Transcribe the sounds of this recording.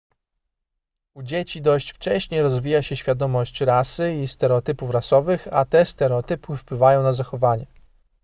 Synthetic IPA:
ud͡ʑet͡ɕid̪ɔɕt͡ɕft͡ʂɛɕɲejɾɔzvʲijaɕɛɕfʲjad̪ɔmɔɕt͡ɕɾasɘist̪ɛɾɛɔt̪ɘpufɾasɔvɘxa̰t̪ɛst̪ɛɾɛɔt̪ɘpufpwɘvajɔ̃w̃nazaxɔvaɲɛ

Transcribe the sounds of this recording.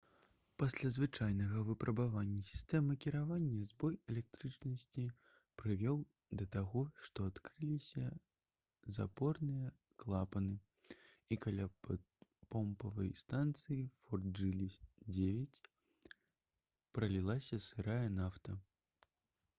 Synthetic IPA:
pasʲlʲazvɨt͡ʂajnɐɣɐvɨpɾʔɐbavanʲːɐsʲi̥st̪ɛmɨkʲiɾavanʲːɐzbɔjɛlʲɛk̚t̪ɾɨt͡ʂnɐsʲt͡sʲi | pɾɨvʲɛw | d̪ɐt̪aɣɔʂt̪ɔat̪kɾɨlʲisʲɐ | za̰pɔrnɨjɐ | klˠapɐnɨ | ikalʲa | pɔmpɐvɐ̰jst̪ant̪sɨjifɔrd̪d͡ʐɨlʲid͡zʲevʲɛt͡sʲ | pɾɐlʲilˠasʲɐsɨɾajɐnaft̪ɐ

